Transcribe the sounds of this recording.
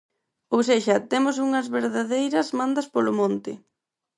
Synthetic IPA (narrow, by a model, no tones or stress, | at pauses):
owseʃɐt̪emʊsuŋɐzβeɾðaðejɾɐzmãnd̪ɐspolʊmõnt̪ɪ̰